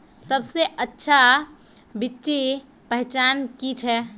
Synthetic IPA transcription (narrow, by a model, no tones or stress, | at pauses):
səbseʔətːʃʰa | bɪtːʃi | pəɦɛt͡ʃaːnkit͡ʃʰɛ